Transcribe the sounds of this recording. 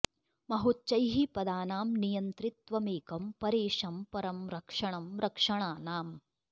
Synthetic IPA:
mɐɦut̪̚t͡ʃɐjɦipɐd̪aːnaːmnijɐnt̪ɾit̪ʋɐmeːkɐmpɐɾeːʂɐmpɐɾɐmɾɐkʂɐɳɐmɾɐkʂɐɳaːnaːm

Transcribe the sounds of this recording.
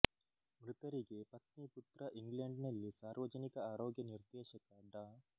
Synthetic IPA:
mɾut̪ɐɾiɡe̞pɐt̪niput̪ɾɐʔiŋɡleɳɖnɐlːisaːɾʋɐd͡ʒɐnikɐaːɾoːɡjɐniɾd̪ɛːʃɐkɐɖaː

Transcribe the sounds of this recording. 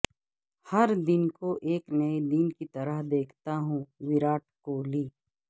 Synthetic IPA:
hɐɾd̪ɪnkoʔeːknɐed̪ɪnkit̪ɐɾəɦd̪eːkʰt̪aɦũʋɪɾaːʈ̚koːliː

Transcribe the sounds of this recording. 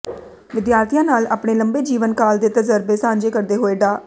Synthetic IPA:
ʋɪd̪jaːɾt̪ʰijãːnaːla̰ːpɽeːləmbeːd͡ʒiːʋənkaːld̪eːt̪əzəɾbeːsãːɲd͡ʒeːkəɾd̪eːɦoːeːɖaː

